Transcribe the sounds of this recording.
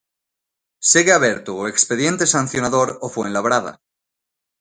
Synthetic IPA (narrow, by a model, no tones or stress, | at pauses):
seɣeaβeɾt̪uekspeðje̞nt̪esan̟θjonaðoɾofweenlaβɾaða̰